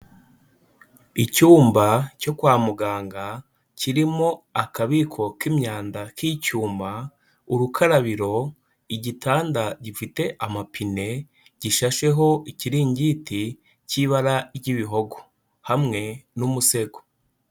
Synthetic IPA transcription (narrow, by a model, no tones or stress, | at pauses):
icuːmbaco̞kwaːmuɡaːŋɡa | cʰiɾimoakaβikʰo̞kimɲaːndakʰicuːmba | uɾukʰaɾaβiɾo̞ | iɟitʰaːndaɟifite̞ʔamapine̞ | ɟ̥iʃaʃe̞ɦo̞ʔiciɾiːɲɟiti | ciːβaɾaɟiβiɦo̞ɡo̥ | hamŋe̞numuse̞ɡo